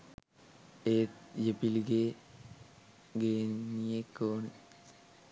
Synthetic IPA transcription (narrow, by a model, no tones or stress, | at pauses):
eːt̪jepilɡeː | ɡeːnijekːoːne